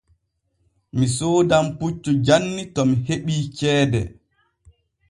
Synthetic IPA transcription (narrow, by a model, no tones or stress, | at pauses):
misoːdamput͡ʃːud͡ʒanːitɔmiheɓiːt͡ʃɛːdɛ̰